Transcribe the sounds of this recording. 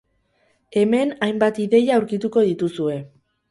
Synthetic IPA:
e̞me̞najmbat̪iðe̞jauɾkit̪uko̞ð̞it̪usue̞

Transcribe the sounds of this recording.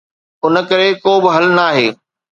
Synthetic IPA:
ʊnə̆kɐɾekoːbɪɦɐlnaːɦeː

